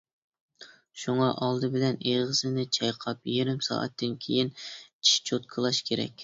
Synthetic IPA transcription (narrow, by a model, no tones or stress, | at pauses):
ʃuŋɑʔɑlˠd̪ɨbɪlɛneʁəsɨnɪt͡ʃʰɑjqʰɑp̚jiɾɪmsɑ̰ːʔɛ̰t̪ʰːɨnkʲʰejint͡ʃʰi̥ʃt͡ʃʰot̪̚kʰəlˠɑʃkʲʰeɾɛ̰kʲ